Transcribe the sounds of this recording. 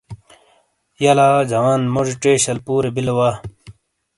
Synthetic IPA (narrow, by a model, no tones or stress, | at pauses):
jɐlaːd͡ʑɐwaːnmod͡ʑiʈeːɕɐlpuːɾebilwaː